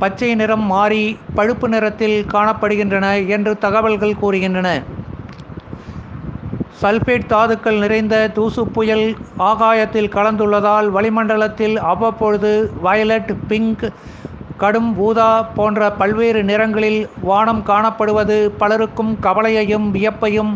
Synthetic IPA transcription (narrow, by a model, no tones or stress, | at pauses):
pɐt͡ʃːɐɪnɪɾɐmːaːɾipɐɻɯpːɯnɪɾɐt̪ːɪlkaːɳɐpːɐɽɯɣɪndrɐnɐɛndrɯt̪ɐɣɐʋɐɭɣɐɭkuːrɯɣɪndrɐnɐ | sɐlfeːʈ̚t̪aːðɯkːɐɭnɪrɐɪnd̪ɐd̪uːsɯpːʊjɐlaːɣaːjɐt̪ːɪlkɐɭɐnd̪ɯɭːɐðaːlʋɐɭɪmɐɳɖɐɭɐt̪ːɪlɐʋːɐpːɔɻɯðɯʋɐjɐlɐʈpɪŋk | kːɐɽɯmʋuːðaːpoːndrɐpɐlʋeːɾɯnɪɾɐŋɡɐɭɪlʋaːɳɐmkaːɳɐpːɐɽɯʋɐðɯpɐlɐɾɯkːɯmkɐʋɐɭɐjɐjɯmʋɪjɐpːɐjɯm